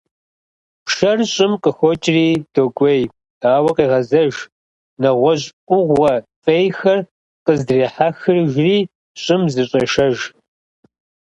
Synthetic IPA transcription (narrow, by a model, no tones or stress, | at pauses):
pʃɐrɕʼɪmqʼəxʷɔt͡ʃʼriːd̥oɡʷej | daːwɐqiːʁɐzɐʒ | nɐʁʷɔɕʼʔʷʼʊʁʷɐfʼejxɐr | qəzdreːħaxɨrʒriː | ɕʼɪmzɨɕʼɐʃɐʒ